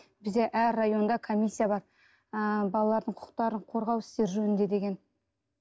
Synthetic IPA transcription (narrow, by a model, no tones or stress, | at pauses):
bɪzd̪e̞ʔæɾːajo̞nd̪ɑkʰomʲijsʲːijabɑɾ | bɑlˠɑlˠɑɾd̪əɴqʰʊ̥qə̥q̚t̪ɑɾəɴqʰo̞ɾʁɑwɪst̪e̞ɾʒɵnɪnd̪e̞d̪e̞ɡʲe̞n